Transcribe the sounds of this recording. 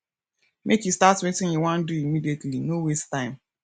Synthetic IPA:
mʔekistatswetɪ̃ŋiwãn̩duimidietlinowestãɪ̃m

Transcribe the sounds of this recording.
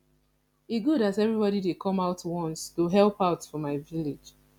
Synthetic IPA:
iɡuɾazɛvɹibɔɾidekʰɔ̃maʊtwɔ̃nstuɦɛlˠpaʊtfɔmaɪvile̥d͡ʒ

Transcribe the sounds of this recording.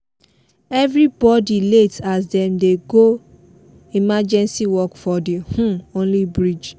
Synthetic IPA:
ɛvɾibɔdiletasdɛ̃mdeɡo | imad͡ʒɛ̃nsiwɔkfɔdihũõnlibɹid͡ʒ

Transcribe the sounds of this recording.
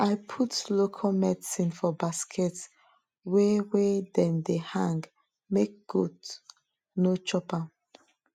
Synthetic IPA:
ʔaɪpʰutlokʰalmɛdsĩnfɔbaskʰɛt | wɛweɛdɛ̃ndehãŋɡ | mek̚ɡ̥ud | not͡ʃɔpa

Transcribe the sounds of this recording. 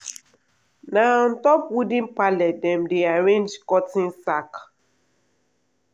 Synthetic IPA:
naɔ̃ntɔpwudĩnpalɛt̚dɛ̃mdeaɹẽnd͡ʒkɔtĩnsak

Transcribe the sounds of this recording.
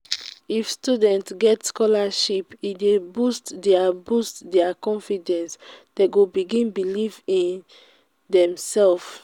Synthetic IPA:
ifstudɛ̃ntsɡɛtskɔlaʃipidebustdɛabustdɛakɔ̃nfidɛ̃nsd̥eɡobiɡĩnbilivĩn | dɛ̃msɛlf

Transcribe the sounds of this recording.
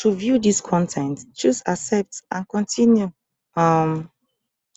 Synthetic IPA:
tuvjudiskʰɔ̃ntʰɛ̃ntd͡ʒusasɛp̚tʔãnkɔ̃ntʰĩnju | ʌm

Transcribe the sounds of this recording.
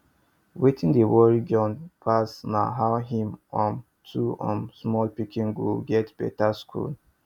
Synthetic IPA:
wetĩndewɔɹid͡ʒɔ̃npʰasna̰ɦaʊɦĩmɔ̃n | tʰuɔ̰̃nsmɔlpikʰĩŋɡulɡɛtb̥ɛ̰taskʰṵl

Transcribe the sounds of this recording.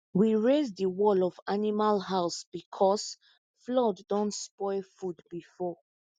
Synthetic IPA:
wiɹezdəwɔlɔvanimalɦaʊsb̥ikʰɔs | flɔdːɔ̃ntspɔɪlfudbifɔ

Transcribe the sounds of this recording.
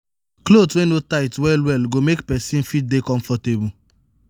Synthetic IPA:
klodswẽnotaɪtwɛlwɛlɡomekpɛsĩnfit̚dekɔ̃ɱfɔtebu

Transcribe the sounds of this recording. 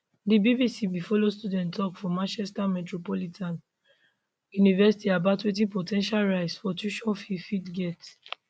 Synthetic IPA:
dibibisibifɔlostudɛ̃ntʰːɔkfɔmãnt͡ʃɛstamɛtɹopɔlitʰãn | junivɛsi̥tiabatwẽt̬ĩpɔtʰɛ̃nʃalɹaɪsfɔtuʃɔ̃fifitɡɛt

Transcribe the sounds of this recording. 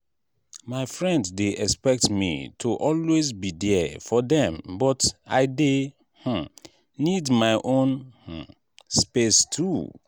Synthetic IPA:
maɪfɹɛ̃nddeʔɛkspɛk̚tmḭtʰuʔɔlwezbidɛfɔdɛ̃mbɔta̰ɪde | h̩ | nidmaɪʔõnh̩ | spestʰu

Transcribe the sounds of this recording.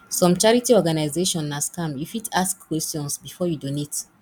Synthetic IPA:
sɔ̃mt͡ʃaɹitiɔɡanaɪzeʃɔ̃nhaskãmjufidaskkːwɛstjɔ̃nsbifɔjudonet

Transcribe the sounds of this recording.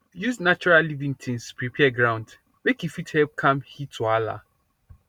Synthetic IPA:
jusnat͡ʃuɹallivĩŋtʰĩŋspɹipʰɛɡɹãw̃nd | mekifithɛlp̚kʰãmhitʰːuala̰

